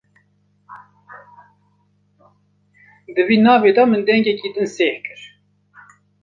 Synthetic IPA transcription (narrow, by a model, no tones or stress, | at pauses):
d̪ɨviːnɑːveːd̪ɑmɨnd̪ɛŋɡɛkiːd̪ɨnseːhkɨɾ